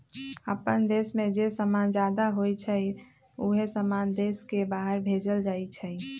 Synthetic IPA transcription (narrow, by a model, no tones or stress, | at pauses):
əpənd̪esmẽd͡ʒesəmand͡ʒaːd̪aɦoit͡ʃʰə | uɦesəmand̪eskebaːɦəɾbʱed͡ʒəld͡ʒaːit͡ʃʰəi